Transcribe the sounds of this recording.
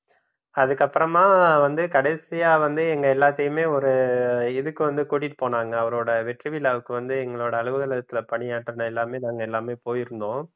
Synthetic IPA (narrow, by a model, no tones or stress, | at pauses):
ɐðɯkːɐpːɯɾɐmaːʋɐnd̪ɯkɐɽɛɪsɪjaːʋɐnd̪ɯɛŋɡɐɛlːaːt̪ːɐjɯmeːɔɾɯɪðɯkːɯʋɐnd̪ɯkuːʈːɪʈːɯ̥poːnaːŋɡɐːʋɐɾoːɽɐʋɛʈrɯʋɪlaːʋɯkːɯʋɐnd̪ɯɛŋɡɐɭoːɽɐːɭɯʋɯðɐlɐðɐt̪ːɪlɐpɐɳɪjaːʈːɾɐnɐɛlːaːmeːnaːŋɡɐɛlːaːmeːpoːjɪɾɯnd̪õː